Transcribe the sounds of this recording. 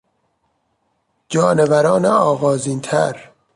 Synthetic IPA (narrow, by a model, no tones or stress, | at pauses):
d͡ʒɒːnevæɾɒːneɒːɣɒːziːnt̪ʰæɾ